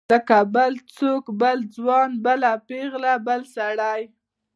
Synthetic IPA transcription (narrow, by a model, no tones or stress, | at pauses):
əkabəlt͡sokbəld͡zwɑnbəlapeɣlabəlsaɽaj